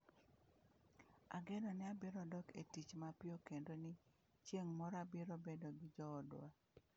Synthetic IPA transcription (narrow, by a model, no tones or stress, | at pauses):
a̰ɡɛnɔnɪabɪɾɔdɔkḛtit͡ʃmapɪokendonɪ | t͡ʃjeŋmɔɾabɪɾobedoɡɪd͡ʒɔːdwa̰